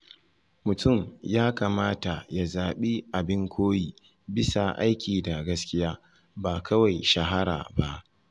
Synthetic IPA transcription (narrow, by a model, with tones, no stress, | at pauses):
mʊ˨tʊ˦˨mjaː˦kaː˨maː˦ta˨ja˨zaː˨ɓi˦ʔa˨bɪ˦ŋkʷoː˦jiː˨ | bɪ˦sa˨ʔa̰˦jkʲiː˨da˨ɡɐ˦skʲɪ˦jaː˦ | baː˨kɐ˦wa˨jʃɐ˨ɦa˦ɾa̰ː˨ba˦ʔ